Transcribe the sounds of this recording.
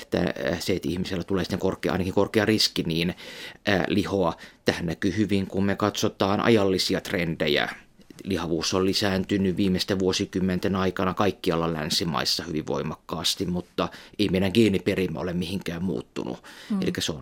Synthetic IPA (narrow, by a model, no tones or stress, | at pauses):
t̪æ̰seet̪ḭhmiselːæt̪uleːsi̥t̪ːeŋkorkˑeːɑ̰inɑkiŋkorkeɑriskiniːnæ̰lihoɑt̪æhænnækyːhyʋiŋkummekɑt̪sot̪ɑːnʔɑ̰jɑlːisiɑt̪rendejæ̰ | lihɑʋuːsːollisæːnt̪ynyʋʋiːmest̪eʋuosikymːent̪enɑikɑnɑkɑikːiɑlːɑlæ̰nsimɑ̰isːɑhyʋiʋʋo̰imɑkːɑːst̪imut̪ːɑeimeinæŋkiːnːiperimːæo̰lemmihiŋkæːmmṵːt̪ːṵnṵḛlikːæseon